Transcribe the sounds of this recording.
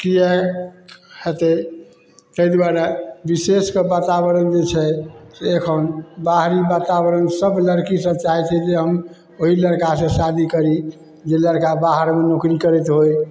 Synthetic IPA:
kijə | het̪ɛ | t̪əjd̪waɾabiseskebat̪abəɾənd͡ʒet͡ʃʰɛseːkʰənbaɦɾibat̪abəɾənsəbləɾkisəbt͡ʃaɦɛt͡ʃʰɛd͡ʒeɦəm | oɦiləɾkasẽsad̪ʱikəɾi | d͡ʒeləɾkabaɦəɾmenokɾikəɾɛt̪ɦoj

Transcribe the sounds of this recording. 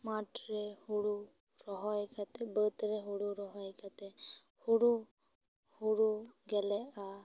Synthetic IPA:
maʈɾehuɽu | ɾɔɦɔjkat̪ebət̪ɾeɦuɽuɾɔɦɔjkat̪e | huɽu | huɽuɡɛlea

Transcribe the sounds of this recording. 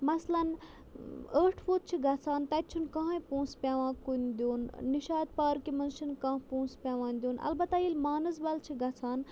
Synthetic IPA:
mɐslɐn | əːʈʰfoːt̪̚t͡ʃʰiɡɐt͡sʰaːnt̪ɐt̪̚t͡ʃʰunkɐ̃ɦãĩpũːspʲaːʋãːkund̪joːnːiʃaːd̪̚paːɾkimɐnʃɨnkãːpũːnspʲaːʋãːnd̪ʲjoːnɐ̰lbɐt̪ːailmaːnɐzbɐlt͡ʃʰiɡɐt͡sʰaːn

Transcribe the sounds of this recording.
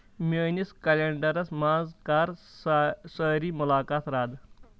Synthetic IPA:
mʲəːniskɐleɳɖɐɾɐsmãːzkaːɾ | səɾiːmʊlaːkaːt̪ʰɾaːd̪

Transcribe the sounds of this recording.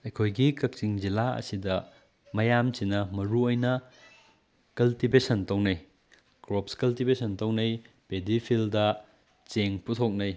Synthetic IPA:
ɐjkʰojɡikɐk̚t͡ʃiŋd͡ʒilaɐ̰sidɐ | mɐjamsinɐmɐɾuojnɐ | kɐltibesɐntɐwnɐj | kɾop̚skɐltibesɐntɐwnɐj | pedipʰildɐ | t͡ʃeŋputʰok̚nɐj

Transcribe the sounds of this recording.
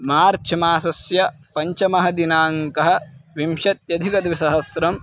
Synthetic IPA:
maːɾt͡ʃʰɐmaːsɐsjɐ | pɐɲt͡ʃɐmɐɦɐd̪inaːŋkɐɦɐ̆ʋimʃɐt̪̚jɐd̪ʱikɐt̪ʋisɐɦɐsɾɐm

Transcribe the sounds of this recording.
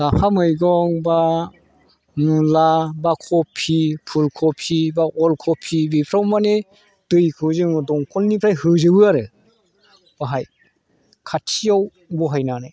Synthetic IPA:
lapʰamɯjɡɔŋba | nulabakʰɔpʰːipʰulkʰɔpʰibaʔɔlkʰɔpʰːibipʰɾawmane | d̥ɯjkʰɯzɯŋɯdɔŋkʰɔlnipʰɾajhɯzɯbɯaɾɯ | b̥aɦaj | kʰatʰijaw | bɔɦajnanaj

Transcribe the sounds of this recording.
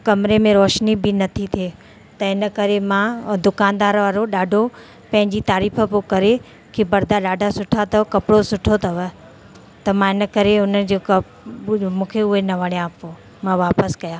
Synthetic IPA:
kɐmɾemẽɾɔːʃnibɪnɐt̪ʰit̪ʰieː | t̪ɐɪnə̆kɐɾemãd̪ʊkaːnd̪aːɾʋaːɾoɗaːɖʱo | pɐ̃ɦɪ̃ɲd͡ʑit̪aːɾiːfə̆pokɐɾe | kʰebɐɾd̪aɗaːɖʱasʊʈʰat̪ɐkɐpɪɽosʊʈʰot̪ʰɐʋə | t̪ɐmãɪnə̆kɐɾeʊnəd͡ʑok | mũːkʰeʊɦenɐʋɐɽijãɐpo | mãʋaːpəskɐjaː

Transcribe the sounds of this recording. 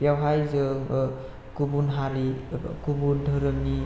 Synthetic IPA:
pjawɦajzɯ | kubunɦaɾikubundʱəɾəmi

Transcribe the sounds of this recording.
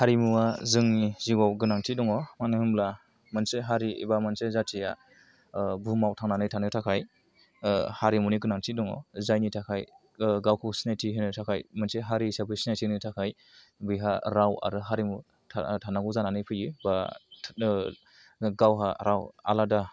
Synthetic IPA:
haɾimuazɯŋniziɡawɡɯnaŋtʰidɔŋɔmanɯhɯmla | mɯnseɦaɾiḭbamansezatʰija̰ | bumawtʰaŋnanɯjtʰanɯtʰakʰaj | haɾimuniɡɯnaŋtʰidɔŋɔ̰zajnitʰakʰaj | ɡawkʰɯsinajtʰiɦenɯtʰakʰajmɯnseɦaɾisabɯsinajtʰinitʰakʰaj | bɯjɦaɾawa̰ɾɯɦaɾimu | tʰanaɡuzananɯjpʰɯjiba | ɡawɦaɾawa̰lada

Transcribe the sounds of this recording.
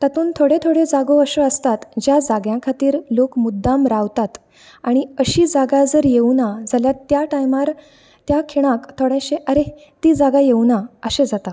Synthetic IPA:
t̪at̪uːnt̪ʰoɽet̪ʰoɽed͡zaɡoəɕəəst̪at̪d͡ʑjad͡zaɡjãkʰat̪iːɾlokmud̪ːamɾaʋt̪at̪ | aɽ̃iəɕiːd͡zaɡad͡zəɾjewnad͡zaljat̪jaʈajmaɾ | t̪jakʰiɭ̃ãkt̪ʰoɽẽɕeʔəɾe | t̪iːd͡zaɡajewnaəɕẽd͡zat̪a

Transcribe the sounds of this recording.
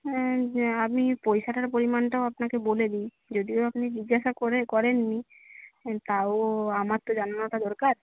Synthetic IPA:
amipojʃaʈaɾpoɾimanʈaoapnakeboled̪ij | d͡ʑod̪ioapnid͡ʑiɡaʃakoɾekɔɾenːi | t̪aoamaɾt̪ːod͡ʑananoʈad̪ɔɾkaɾ

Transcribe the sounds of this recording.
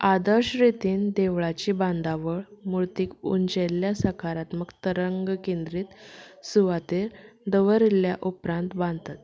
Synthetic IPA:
ad̪əɾɕɾit̪iːnd̪eʋɭat͡ɕiːbãnd̪aʋəɭmuɾt̪iːkṵɲd͡ʑelːjasəkaɾat̪məkt̪əɾəŋɡkẽnd̪ɾiːt̪suʋat̪eɾd̪əʋəɾilːjaʔupɾãnt̪bãnd̪t̪at̪̚

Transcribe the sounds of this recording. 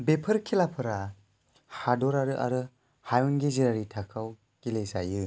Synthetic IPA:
bepʰɯɾkʰilapʰɯɾa | hadɔɾaɾɯʔa̰ɾɯ | hajɔnɡiziɾaɾitʰakʰaw | kileza̰jɯ

